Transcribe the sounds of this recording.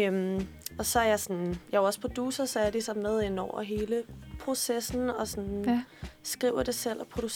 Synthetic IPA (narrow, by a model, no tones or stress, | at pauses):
ømɒ̽sɒ̽æɐjɑsɒnjɑɒ̽spʰɒ̽d̥uːsɐsɒɐɐd̥isɒ̽mmeð̞ˠe̝n̰ɒʊ̰ɐ̰ɦe̝ːləpʰʁo̝sesn̩ɒ̽sɒn | sɡ̥ʁiʊ̰ɐd̥e̝sel̰ɒ̽pʰʁod̥u